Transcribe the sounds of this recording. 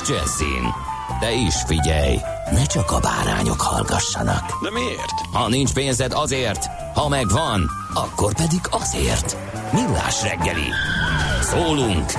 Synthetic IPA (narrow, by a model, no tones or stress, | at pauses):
d͡ʒɛ̰zːḭːn | d̪̥ɛiʃfiɟɛj | nɛt͡ʃɒkɒbaːɾa̰ːɲo̞khɒlɡɒʃːɒnɒkd̪ɛmieːrt̪hɒnint͡ʃpeːnzɛd̪ɒzeːrt̪ | hɒmɛɡʋɒn | ɒkːo̞rpɛd̪iɡɒzeːrt̪ | milːa̰ːʃrɛɡːɛlḭ | soːluŋk